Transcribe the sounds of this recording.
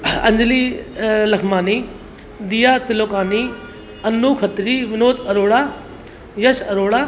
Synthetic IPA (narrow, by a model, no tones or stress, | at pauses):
ɐɲd͡ʒliːlɐkʰmaːniː | d̪ijaːt̪ɪloːkaːniː | ɐnːuːkʰɐt̪ɾiːʋɪnoːt̪ɐɾoːɽaː | jɐʃɐɾoːɽaː